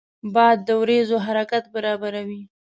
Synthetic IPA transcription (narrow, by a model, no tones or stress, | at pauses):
bɑjad̪ːəwɾezoɦaɾakat̪̚baɾɑbaɾawi